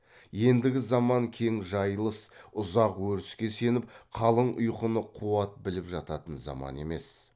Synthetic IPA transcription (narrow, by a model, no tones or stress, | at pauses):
je̞nd̪ɪɡʲɪzɑmɑŋkʲʰe̞ŋʒɑjlˠəsʊzɑqwɵɾɪskʲe̞se̞nɪp̚qʰɑlˠəɴʊ̰jqənəqʰuɑt̪̚bɪlɪpʒɑt̪ɑt̪ənzɑ̰mɑ̰ne̞̰me̞s